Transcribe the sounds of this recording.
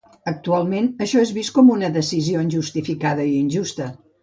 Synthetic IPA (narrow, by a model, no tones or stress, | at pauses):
ək̚t̪ualˠmenəʃɔezβist̪kɔmunəðəsizioinʲʒust̪ifikað̞əiinʲʒust̪ə